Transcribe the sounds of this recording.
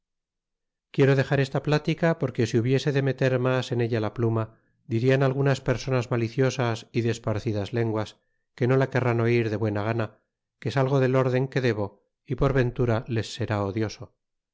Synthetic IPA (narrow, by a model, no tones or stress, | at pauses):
kje̞ɾo̞ðe̞χaɾe̞st̪aplat̪ikapoɾke̞siuβje̞se̞ðe̞me̞t̪e̞ɾmase̞neʎalapluma | d̪iɾianalɣ̞unaspe̞ɾso̞nazmaliθjo̞sasiðespaɾθiðazle̞ŋɡwas | keno̞lake̞rano̞iɾðe̞βwe̞naɣana | kesalɣ̞o̞ðe̞lo̞ɾðe̞ŋke̞ðe̞βo̞ | ipo̞ɾβe̞nt̪uɾale̞sːe̞ɾaoðjo̞so̞